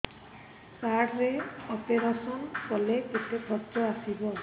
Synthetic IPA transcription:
saɽɾeɔpeɾasɔnkɔleʔet̪epʰɔtːɔasibɔ

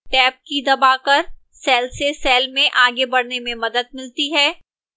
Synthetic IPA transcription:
ʈɛːp̚kid̪ɐbaːkɐɾ | sɛːlsesɛːlmẽʔaːɡebɐɽnemẽmɐd̪əd̪̚mɪlt̪iɦɛː

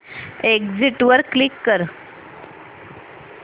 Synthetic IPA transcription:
ekd͡ziʈʋəɾklikːəɾ

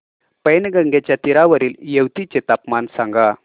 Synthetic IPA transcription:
pəjnɡəŋɡet͡ɕjat̪iɾaʋəɾiːljewt̪it͡set̪apmansaŋɡa

